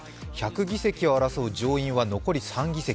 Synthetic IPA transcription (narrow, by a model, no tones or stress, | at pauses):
çakɯ̟ɡʲise̞kʲio̞aɾaso̞ːd͡ʑo̞ːĩɰ̃βano̞ko̞ɾʲisãŋɡʲise̞kʲ